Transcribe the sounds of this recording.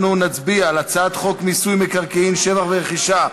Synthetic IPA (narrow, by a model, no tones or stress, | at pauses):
nunat͡sbiaːlat͡sat̪χo̞kmisujmekaʁkeinʃe̞vaχveʁeχiʃa